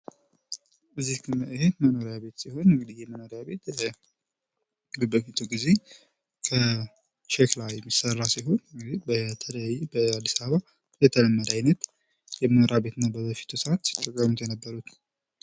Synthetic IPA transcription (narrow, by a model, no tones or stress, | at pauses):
ʔɨzːihkʰɨmːaʔɨhedməno̞ɾjaβe̞t̪siho̞nɨŋɡɨd̪ijɛməno̞ɾejaβe̞t̪lə | lɨbəfit̪ʰuɡize̞ | kʰə | t͡ʃeklajɛmːisərːasiɦo̞nɨŋɡɨd̪ibət̪ʰələbəad̪ːisaββa | jɛt̪ʰələmːəd̪ajnət̪ | jɛmənoɾjabe̞t̪ɨnːabəzəfi̥t̪ʰusəat̪si̥t̪ʼːəkʼːəmːut̪ʰjɛnəbːəɾut̪